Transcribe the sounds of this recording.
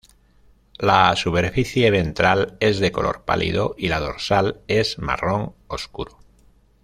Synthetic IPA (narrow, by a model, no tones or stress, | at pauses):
lasupe̞ɾfiθjeβe̞nt̪ɾale̞zðe̞ko̞lʔo̞̰ɾpa̰lʔḭðoʔilað̞o̞ɾsale̞zma̰ro̞ŋo̞skuɾo